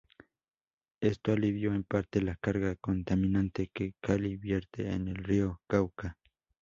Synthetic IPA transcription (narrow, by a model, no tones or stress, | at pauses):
est̪oaliβjoempaɾt̪elakaɾɣakont̪aminant̪ekekʰalibjeɾt̪ʰḛːnelriokawka